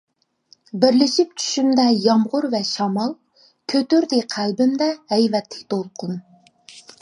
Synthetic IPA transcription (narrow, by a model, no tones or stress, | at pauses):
bɪɾlɪʃip̚t͡ʃʰy̥ʃymd̪ɛjɑmʁʊɾvɛʃɑmɑlˠ | kʲʰøt̪yɾd̪ɪqʰælbɪmd̪ɛhɛjvɛt̪ʰːɪ̥k̚ʲt̪ʰolˠqʰʊn